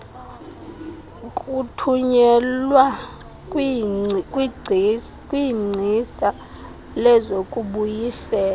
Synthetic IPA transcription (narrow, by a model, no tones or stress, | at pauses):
kʼutʰuɲɛlwa | kʼwiŋ͡ǀʱisa | lɛzokʼuɓujisɛːla